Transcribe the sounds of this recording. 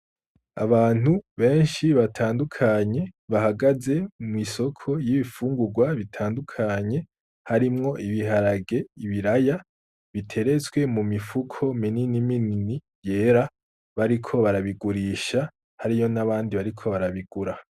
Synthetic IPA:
a̰βaːn̥uβe̞ːnʃiβatʰaːndukʰaɲe̞βahaɡaze̞mwiso̞kʰo̞jiβifuːŋɡuɾɡwaβitʰaːndukʰaɲe̞ | haɾimŋo̞ʔiβiɦaɾaɡe̞iβiɾaja | βitʰe̞ɾe̞t͡swe̞mumifukʰo̞mininiminini | je̞ːɾa | βaɾikʰo̞βaɾaβiɡuɾiːʃa | haɾijo̞naβaːndiβaɾikʰo̞βaɾaβiɡ̥uɾa

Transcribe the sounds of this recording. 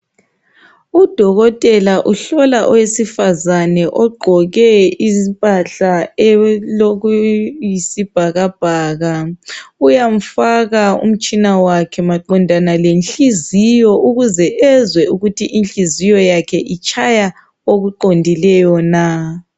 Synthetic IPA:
ud̥ʱɔɣɔtʼɛlaʔuɬɔlaʔɔwesifazanɛʔɔɡ͡ǃʱɔɣɛizimpʼaɬaɛloɣujisib̥ʱaɣab̥ʱaːɣaujam̩faɣaṵm̩t͡ʃʼinawakʰɛmaǃɔndʱanalenɬizijɔʔuɣuzɛʔɛzwɛuɣutʰiʔinɬʼizijɔjakʰɛʔit͡ʃʼʰaja | oɣuǃondʱilɛjɔna

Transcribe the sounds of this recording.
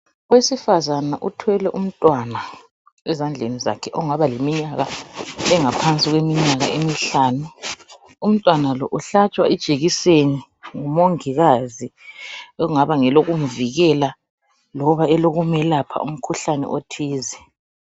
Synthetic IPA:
wesifazanaʔutʰwɛlɛʔum̩tʼwana | ɛzand͡ɮʱeniza̰kʰɛʔɔŋaβalemiɲaɣaɛŋapʰant͡sʼiɣwemiɲaɣaʔemiɬaːnu | um̩tʼwanalɔʔuɬat͡ʃʼwaid̥ʒ̥ʱʼeɣiseni | ŋumoŋiɣaziouŋaβaŋɛloɣum̩viɣɛla | lɔβaɛloɣumɛlapʰa̰ṵm̩kʰuɬanɛ̰ʔotʰiːzɛ

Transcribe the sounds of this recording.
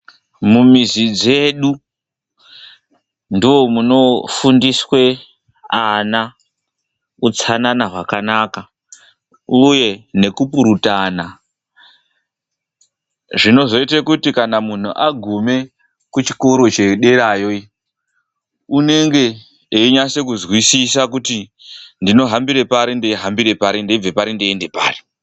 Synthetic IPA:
mumizid͡ze̞ɗu | ndiwo̞muno̞fundiswe̞ | ana | ut͡sananaɦwakanaːka | uje̞ne̞kupuɾutana | ʐino̞zo̞itekutikanamun̤uʔaɡʱume̞ | kut͡ʃi̥ko̞ɾo̞t͡ʃe̞ɗe̞ɾaːjo̞i | une̞ŋɡe̞ː | iɲase̞kuzwisisakutindino̞ɦambiɾe̞paɾindeiɦambire̞paɾindeib͡vepaɾindeːnde̞pa̰ːri̥

